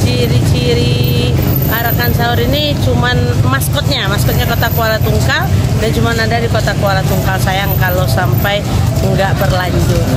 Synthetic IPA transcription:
t͡ʃiɾit͡ʃiɾi | aɾakansaɔɾini | t͡ʃumanmaskɔt̪̚ɲamaskɔt̪̚ɲakot̪akualat̪uŋkaldant͡ʃumanadadikot̪akualat̪uŋkalsajaŋkalosampaj | ŋɡaʔbərlaɲd͡ʒʊt̪̚

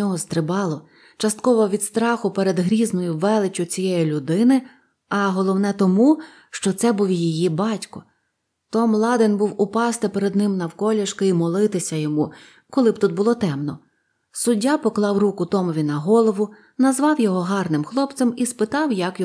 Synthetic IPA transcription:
ɔɦɔst̪ɾɪbɑlˠɔ | t͡ʃɐst̪̚kɔʋɔʋʲid̪st̪ɾɑxʊpeɾed̪ɦɾʲiznɔjʊʋːɛlˠɪt͡ʃʲʊt͡sʲijɛjilʲʊd̪ɪnɪ | ɐɦɔlˠɔwnɛt̪ɔmu | ʃt͡ʃɔt̪sɛbuwʲjijibɑtʲkɔ̥ | t̪ɔmlˠɑd̪ɪnbuwʊpɑst̪ɪpeɾed̪nɪmnɐwkɔlʲɐʃkɪimɔlˠɪt̪ɪsʲɐjɔmu | kɔlˠɪbt̪ut̪̚bʊlˠɔt̪ɛmnɔ | sʊdʲːapɔklˠɑwrukʊt̪ɔmɔʋʲinɐɦɔlˠɔʋʊ | nɐzʋɑwjɔɦɔɦɑrnɪmxlˠɔpt̪sɛmispɪt̪ɑwjɐkj

